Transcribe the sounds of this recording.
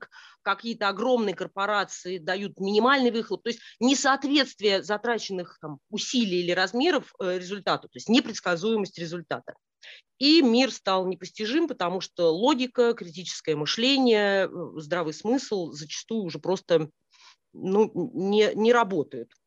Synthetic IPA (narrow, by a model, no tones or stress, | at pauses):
k | kɐkʲijət̪əɐɡro̞mnɨjəkərpɐɾat̪sɨɪd̪ɐjut̪mʲɪnʲɪmalʲnɨjvɨxlˠəp̚t̪oɪsʲt̚ʲnʲɪsɐɐt̪vʲe̞t̪st̪vʲɪjəzɐt̪ɾat͡ɕɪnːɨxt̪amʊsʲilʲɪjilʲɪɾɐzmʲe̞ɾəfɾʲɪzʊlʲt̪at̪ʊ̥t̪o̞ɪsʲtʲnʲɪpɾʲɪt̪skɐzujɪməsʲtʲɾʲɪzʊlʲt̪a̰t̪ə̰ | imʲirst̪alˠnʲɪpəsʲtʲɪʐɨmpət̪ɐmuʂt̪olˠo̞ɡʲɪkəkɾʲɪtʲit͡ɕɪ̥skəjəmɨʂlʲenʲɪjəzd̪ɾavɨjsmɨslˠzət͡ɕɪ̥st̪ujʊːʐɛpɾo̞st̪ə | nunʲɪnʲɪɾɐbot̪əjʊt̪